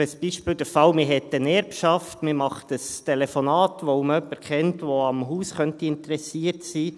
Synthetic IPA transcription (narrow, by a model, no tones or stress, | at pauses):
əsb̥iʃpɪːld̥̪əfɑwmɪɦɛt̪ːənɛɾpʃɑftmɪmɑχtəstʰɛlɛfonɑːt̪ʋoməœpːəɾkχɛntʋoɑmɦuːsχœntiɪntəɾɛsiəɾtsiː